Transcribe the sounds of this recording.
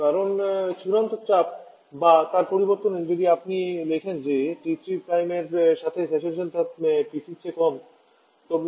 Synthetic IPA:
kaɾont͡ʃuɾant̪ot͡ɕap̚ | bat̪aɾpoɾiboɾt̪oned͡ʑod̪iapnilekʰend͡ʑeʈitɾipɾajmeɾʃat̪ʰesɛʃelʃant̪apisʰit͡ɕʰekɔn | t̪ɔb

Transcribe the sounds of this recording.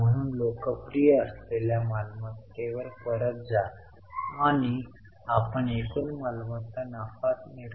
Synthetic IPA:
m̤əɽ̃uːnlokəpɾijəəsleljamalmət̪ːeʋəɾkəɾət̪̚d͡zaː | ɽ̃i | apəɳekunmalmət̪ːənafat̪meɽ

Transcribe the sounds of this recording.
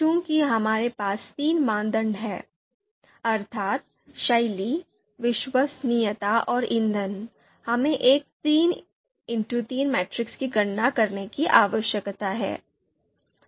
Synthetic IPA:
kũːkiɦɐmaːɾepaːst̪iːnmãːnd̪ə̃ɳɖɦɛː | ɐɾt̪ʰaːt̪̚ | ʃɐɪli | ʋɪʃʋəsnijət̪aʔɔːɾɪ̃nd̪ʱən | hɐmẽʔeːk̚t̪iːn | ɪ̃ɳʈut̪iːnmɛːʈɾɪkskiɡɐɽnakɐɾnekiʔaːʋəʃjəkt̪aɦɛ̰ː

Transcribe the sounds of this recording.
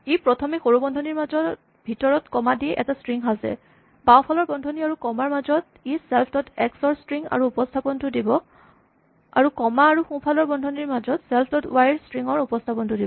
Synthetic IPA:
ejpɹɔtʰɔmixoɹubɔndʱɔniɹmazɔ | bʱitɔɹɔtkɔmadiɛʔɛ̰tastɹiŋɦasɛ̰ | bawpʰalɔɹbɔndʱɔniaɹukɔmaɹmazɔt | isɛlpʰtɔtɛksɔɹstɹiŋa̰ɹuːpɔstʰapɔntʊdibɔ | a̰ɹukɔmaːɹuxũpʰalɔɹbɔndʱɔniɹmazɔtsɛlpʰtɔtwajɹstɹiŋɔɹupɔstʰapɔntʊdibɔ

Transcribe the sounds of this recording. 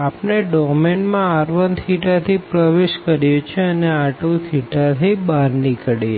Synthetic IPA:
apneɖɔkmeɳʈmãaɾʋənt̪ʰiʈat̪ʰipɾəʋeʃkəɾjut͡ʃʰeəneaʈũt̪ʰiʈat̪ʰibaɾnikəɽe

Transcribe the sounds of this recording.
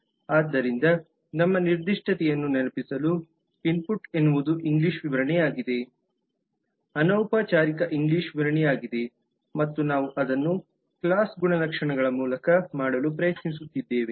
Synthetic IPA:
aːd̪ːɐɾind̪ɐ | nɐmːɐniɾd̪iʂʈʰɐt̪ɛjɐnːunɛlɐpisɐlu | pinpuʈe̞nːuʋud̪uʔiŋɡliʂʋiʋɐɾɐɳɛjaːɡid̪e̞ | ɐnɐːwpaːt͡ʃaːɾikɐʔiŋɡliʂʋiʋɐɾɐɳɛjaːɡid̪e̞ | mɐt̪ːunaːʋuʔɐd̪ɐnːu | klaːsɡuɳɐlɐkʂɐɳɐɡɐɭɐmuːlɐkɐmaːɽɐlupɾɐjɐt̪nis̬ut̪ːid̪ːeːʋe

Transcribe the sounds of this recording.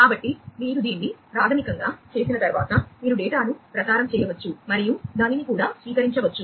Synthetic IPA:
kaːbɐʈːimiːɾud̪iːnːipɾaːd̪ʱɐmikɐŋɡaːt͡ʃe̞ːsinɐt̪ɐɾuʋa̰ːt̪ɐmiːɾuɖɛːʈaːnupɾɐt͡ʃaːɾɐmt͡ʃɛːjɐʋɐt͡ʃːumɐɾijud̪aːninikuːɽaːsʋiːkɐɾiɲt͡ʃɐʋɐt͡ʃːu

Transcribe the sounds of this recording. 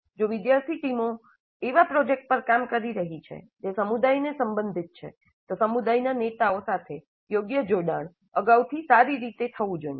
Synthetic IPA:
d͡ʒoʋɪd̪jaɾt̪ʰiʈimo | eʋapɾɔd͡ʒek̚ʈ̚pəɾkamkəɾiɾəɦit͡ʃʰḛ | d͡ʒesəmud̪ajnesəmbənd̪ʱit̪̚t͡ʃʰḛ | t̪osəmud̪ajnanet̪aosat̪ʰe | joɡjəd͡ʒoɽaɳ̃ | əɡaut̪ʰisaɾiɾit̪et̪ʰəʋũd͡ʒoie

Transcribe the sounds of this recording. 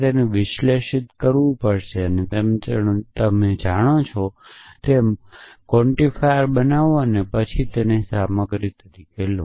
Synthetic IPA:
t̪enẽʋɪʃleʃɪt̪kəɾʋũpəɽʃeənet̪emt͡ʃət̪əmed͡ʒaɽ̃ot͡ʃʰot̪emkɔɳʈifajəɾbənaʋoənepət͡ʃʰit̪enesaməɡɾit̪ʰːət̪ikelo

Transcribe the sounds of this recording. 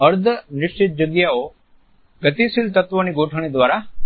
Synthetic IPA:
əɾd̪ʱənɪʃt͡ʃɪt̪̚d͡ʒəɡjao | ɡət̪isilt̪ət̪ʋəniɡoʈʰəɽ̃id̪ʋaːɾa

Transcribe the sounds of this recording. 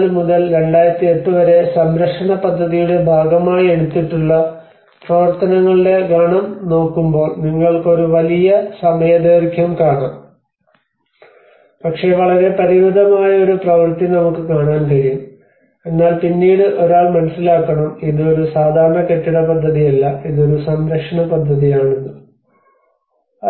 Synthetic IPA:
lmuðɐlɾe̞ɳɖaːjɾɐt̪ːie̞ʈːɨʋɐɾe̞sɐmɾɐkʂɐɳɐpɐd̪ʱːɐðijuɽe̞bʱaːɡɐmaːjie̞ɽut̪ːiʈːuɭːɐ | prɐʋɐrt̪ɐnɐŋːɐɭiɖe̞ɡʱaːɳɐmno̞ːkːumbo̞ːɭniŋːɐɭko̞ɾuʋɐlijɐsɐmɐjɐd̪ɐːɾkʰjɐmkaːɳaːm | pɐkʂe̞ːʋɐɭɐɾe̞pɐɾiɾud̪ʱɐmaːjɐo̞ɾuprɐʋɐrt̪innɐmukːɨkaːɳaːnkɐɻijum | e̞nːaːlpinːiːɽɨʔo̞ɾaːɭmɐnɐsːilaːkːɐɳɐmenːɨoɾusaːd̪ʱaːɾɐɳɐke̞ʈːiɽɐpɐd̪ʱːɐðijɐlːɐenːo̞ɾusɐnd̪ɾɐʂɐɳɐpɐd̪ʱːɐðijaːɳunːɨ

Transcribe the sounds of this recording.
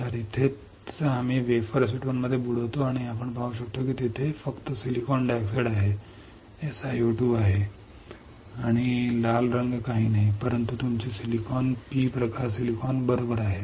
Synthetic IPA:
t̪aɾit̪ʰe | amiːʋefəɾs̬iʈʋonməd̪ʱːjebuɽ̤ot̪oaɽ̃iapəɳbauɕ̬ək̚t̪okiːt̪it̪ʰefəkt̪əsilikɔnɖɛkseɽaɦe | esajuʈjuːbaɦe | aɽ̃ilalɾəŋɡkaɦiːnaɦipəɾənt̪ut̪umt͡ɕisilikɔnpiːpɾəkaɾsilikɔnbəɾobəɾaɦe

